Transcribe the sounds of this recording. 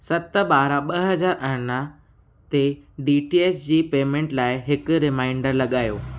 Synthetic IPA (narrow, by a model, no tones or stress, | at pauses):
sɐt̪əɓaːɾaɓɐɦɐd͡ʑaːɾɐɽna | t̪eɖiːʈieːsd͡ʑiːpeːmẽːɳʈlaːɪɦɪkʊɾɪmaːɪ̃ɳɖəɾlɐɠaːjoː